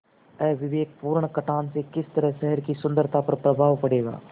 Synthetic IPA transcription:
ɛːʋɪʋeːk̚puːɾɳkɐʈʰaːnsekɪst̪əɾəɦʃɛɦəɾkisʊ̃nd̪əɾt̪ʰapɐɾpɾɐbʱaːʋpɐɽeːɡa̰ː

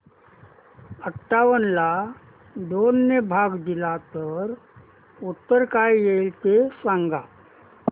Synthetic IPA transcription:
əʈʰːaʋənla | d̪onːəbʱaɡd̪ilat̪əɾ | ut̪ːəɾkajelt̪esãŋɡa

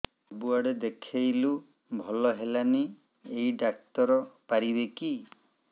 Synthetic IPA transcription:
ɔbuaɽed̪ekʰejlu | bʱɔlɔɦelani | ejɖak̚t̪ɔɾɔpaɾibeki

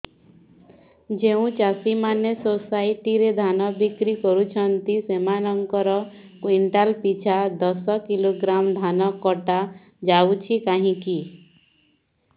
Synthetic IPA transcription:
d͡ʒeũt͡ʃasimanesosaiʈiɾed̪ʱanɔbikɾikɔɾut͡ʃʰɔnt̪isemanɔŋkɔɾɔ | kwiɳʈalpit͡ʃʰad̪ɔsɔkiloɡɾamd̪ʱanɔkɔʈa | d͡ʒawt͡ʃʰikaɦĩki

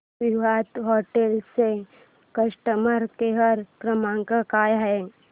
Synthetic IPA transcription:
ʋiʋad̪ɦoʈelse | kəʃʈəməɾkeɦəɾkɾəmãŋkəkaːjɦɛ

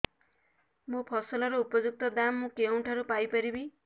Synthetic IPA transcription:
mopʰʌsʌlʌɾuupɔd͡ʒuk̚t̪ɔd̪amːũkeuɳʈʰʌɾupajpʌɾibi

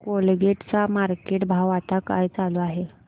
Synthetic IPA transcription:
kolɡeʈt͡samaɾkeʈbʱaʋat̪aka̰jt͡saloaɦe

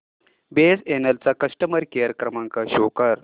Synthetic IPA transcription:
besenelt͡sakəʂʈəməɾkeɾəkɾəmãŋkaɕokəɾ

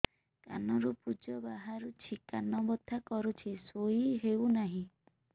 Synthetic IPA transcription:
ka̰nɔɾupud͡ʒɔbaɦaɾut͡ʃʰikanɔbɔt̪ʰːakɔɾut͡ʃʰisoiɦewnaɦĩ

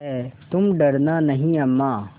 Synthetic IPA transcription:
ɛt̪ʊmɖɐɾnanɐɦĩɐmːaː

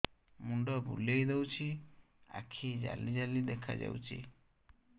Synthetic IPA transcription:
muɳɖɔbṵlejd̪ewt͡ʃʰi | a̰kʰid͡ʒa̰lid͡ʒalid̪ekʰa̰d͡ʒa̰wt͡ʃʰḭ

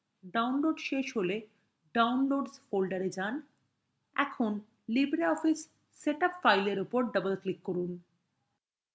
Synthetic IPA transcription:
ɖawnloɖʃeʃɦole | ɖawnloɖsfolɖaɾed͡ʑan | ɛ̰kʰon | libɾiɔfisː | eʈapfajleɾupoɾɖʌbəlklikːoɾun

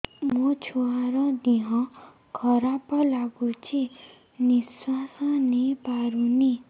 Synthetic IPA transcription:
mot͡sʰuaɾʌd̪iɦʌ̃ | kʰʌɾapʌlaɡut͡sʰi | niswasanepaɾuni

